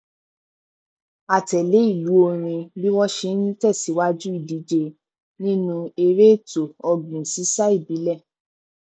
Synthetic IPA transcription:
a˨tɛ˨le˨˦i˦˨lu˨˦o˧ɾ̃ĩ˧bi˦wɔ˦ʃe˧˦nĩ˦tɛ˦˨si˨˦wa˦d͡ʒu˦i˦˨di˨˦d͡ʒe˧ | nĩ˦nũ˧e˧ɾe˦˨to˨ɔ˧ɡũ˨si˨˦sa˦i˦˨bi˨˦lɛ˦˨

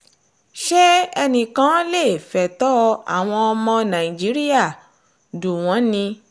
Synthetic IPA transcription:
ʃɛ˦ɛ˧nĩ˨kã˨˦le˦˨fɛ˨tɔ˦a̰˨w̃ɔ̃˧ɔ˧mɔ̃˧nã˨i˨d͡ʒi˨˦ɾi˦ja˦˨ | du˨w̃ɔ̃˨˦nĩ˧

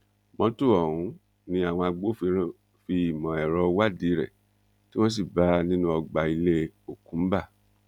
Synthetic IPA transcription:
mɔ̃˧˦tu˦˨ɔ̃˨ũ˨˦ | nĩ˧a˦˨w̃ɔ̃˧a˧ɡ͡bo˦˧ | fi˧i˨mɔ̃˨ɛ˨ɾɔ˧wa˦di˨˦ɾɛ̰˨ | ti˦wõ˦s̬i˦˨ba˦nĩ˦nũ˦ɔ˧ɡ͡ba˨i˧le˦o˨kũ˨˦ba˦˨

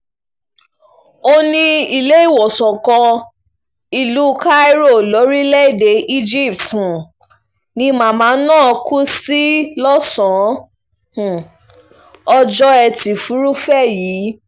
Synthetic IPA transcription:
o˧nĩ˧i˨le˨˦i˦˨wɔ˨sɔ˨kɔ̃˧ | i˨lu˨˦ka˦i˦ɾo˦˨lo˨˦ɾi˦lɛ˦i˨de˨˦ʔi˦d͡ʒi˦˨ptũ˨ | nĩ˧˦mãː˦˨mãː˨˦nãː˦˨˧kʰu˦si˦lɔ˦sɔ̃˨˦ | hũ˨ | ɔ˧d͡ʒɔ˦˧ɛ˧ti˨fu˨˦ɾu˦fɛ˦˨jiː˨˦

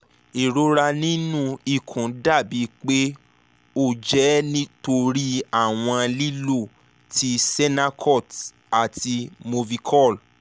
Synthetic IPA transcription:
e˨ɾo˨˦ɾa˧nĩ˦nũ˦i˦˨kʰũ˨˦da˦˨bi˨˦k͡pe˦ | o˦˨d͡ʒɛ˨˦nĩ˦to˧ɾi˦a˦˨w̃ɔ̃˧li˦lo˦˨ | ti˧sɛ˦na˦kʰɔ˦˨t | a˨ti˧mo˧vi˧kʰɔ˦˨l

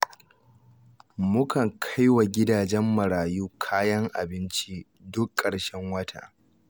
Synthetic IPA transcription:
mʊ˦kʰɐ˨ŋkʰa˦jwa˨ɡʲɪ˦daː˨d͡ʒɛ˦mːɐ˨ɾaː˨juː˦kʰaː˦jɐ˦ŋʔa˨bɪ˦nt͡ʃi˦ | dʊ˦kʼːɐ˨ɽʃɛ˦ŋwɐ˦tʰa̰ː˨

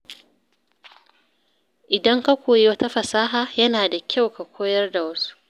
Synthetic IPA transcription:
ʔɪ˨dɐ˦ŋka˦kʷoː˨je˦wɐ˦ta˦ɸɐ˨saː˦ɦaː˨jɐ˦naː˨da˨kʲʰa˦˨wka˨kʷʰoː˦jɐ˦rda˨wɐ˦su̥˦ʔ

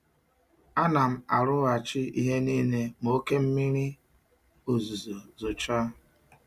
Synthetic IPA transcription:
a˦na˨m̩˦a˨ɾʊ˦a˨t͡ʃɪ˦i˦ɦe˦niː˦ne˦mo˦ke˦m̩˦mi˦ɾi˦ | o˨zu˨zo˨zo˨t͡ʃa˦

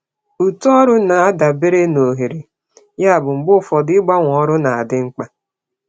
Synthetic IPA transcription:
u˨tu˦ɔ˦ɾʊ˦na˨a˦da˨be˦ɾe˦no˨ɦe˨ɾe˨ | ja˦a˨bʊ˨ŋ͡m̩˨ɡ͡bʊ˦fɔ˨dɪ˦ɡ͡ba˦ŋʷ˨ɔ˦ɾʊ˦na˨a˨dɪ˦ŋ͡m̩˦k͡pa˦

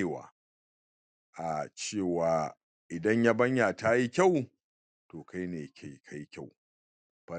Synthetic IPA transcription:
wa̰ː˨ | ʔa˨t͡ʃeː˦˨waː˨ | ʔɪ˨dɐ˦ɲja˦bɐ˦ɲja˨ta˦ji˦kʲa˦˨w | toː˨ka˦jneː˨ka˨kʰa˦ji˦kʲa˦˨w | b̥ɐ˦

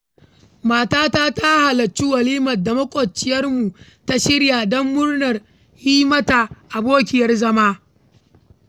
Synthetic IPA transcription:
maː˨taː˦taː˦ta˦ha˨lɐ˨t͡ʃːi˦wɐ˨liː˦mɐ˨dːa˨mɐ˦kʷʼɔ˨t͡ʃːɪ˨jɐ˦rmu˨ | ta˦ʃɪ˦ɽjaː˨dɔ˦mːʊ˦rnɐ˨r | hiː˦mɐ˦ta˨ʔa˨boː˦kʲɪ˨jɐ˦rzɐ˦maː˦

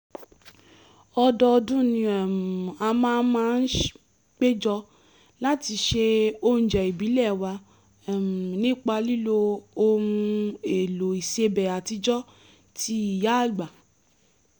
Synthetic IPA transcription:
ɔ˧dɔ˧dũ˦nĩ˧˨m˨a˧mãː˦n̩˦mãː˦˧n̩˦ʃ | k͡pe˦d͡ʒɔ˧ | la˦ti˧ʃe˧o˧ñ̩˨d͡ʒɛ˨i˨bi˨˦lɛ˦˨wa˧˨ | m˨nĩ˦˨k͡pa˧li˦lo˧o˧ũũ˧e˨lo˨i˨se˧bɛ˨a˨ti˧d͡ʒɔ˦ | tʰi˧˦i˨ja˦˨ɡ͡ba˨

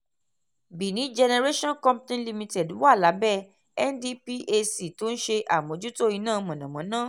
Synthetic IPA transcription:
bi˨nĩ˨˦d͡ʒɛ˧ne˧ɾe˦ʃɔ̃˦nkɔ̃˦mptĩ˦nli˧mĩ˧tɛ˨du˨˦wa˦˨la˨˦bɛ˦˨ | ɛ˦ndi˧˦pi˦ʔe˧si˨to˨˦n̩˦ʃe˧ʔa˨m˨õ˨˦d͡ʒu˦to˦i˧nãː˦˨˧mɔ̃˨nã˨mɔ̃˨˦nãː˦˨

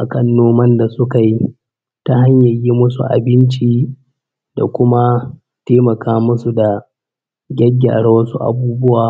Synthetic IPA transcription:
ʔa˨kɐ˦nːoː˦mɐ˦nda˨sʊ˦ka˨ji˦ | ta˦ha˦ɲjɐ˨ji˦mʊ˦sṵ˨ʔa̰˨bɪ˦nt͡ʃiː˦ | da̰˨kʷʊ˦ma˦ | teː˦mɐ˨kaː˦mʊ˦su˨da˨ | ɡʲɐ˦ɡʲːa̰ː˨ɽa˦wɐ˦su˦ʔa̰˨buː˦bʊ˦waː˨

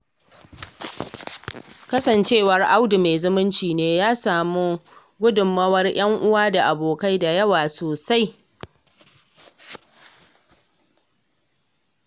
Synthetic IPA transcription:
kɐ˦sɐ˨nt͡ʃeː˦˨wɐ˨rʔa˦wdu˨meː˨zʊ˦mɪ˦nt͡ʃiː˨neː˦jaː˦saː˨mu˦ | ɡʷʊ˦dʊ˨mːɐ˦wɐ˦rj̰ɐ˦ŋʔʊ˦waː˦da˨ʔa˨boː˨ka˦jda˨jɐ˦waː˨soː˨sa˦j

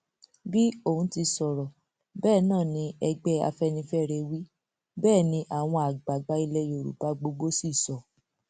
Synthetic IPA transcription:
bi˦o˦˨hũ˦ti˧sɔ˨ɾɔ˨ | bɛː˦˨nãː˦˨nĩ˧˦ɛ˧ɡ͡bɛ˦a̰˧fɛ˦nĩ˧fɛ˦˨ɾɛ˧wi˦ | bɛː˦˨nĩ˧ʔa˨w̃ɔ̃˧a˨ɡ͡ba˨ɡ͡ba˧i˧lɛ˧jo˨ɾṵ˨ba˨˧ɡ͡bo˧ɡ͡bo˦si˦˨sɔ˨

